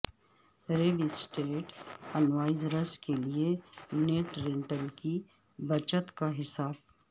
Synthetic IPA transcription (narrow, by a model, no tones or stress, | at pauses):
ɾeːɖisʈeːʈɐnʋaːɪzɾəskelieneːʈɾẽːɳʈəlki | bɐt͡ʃət̪kaɦɪsaːb